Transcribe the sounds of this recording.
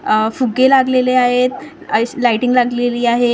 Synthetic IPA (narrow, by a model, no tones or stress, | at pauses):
fuɡelaɡleleaɦet̪ | əlaiʈiŋɡlaɡleliːaɦe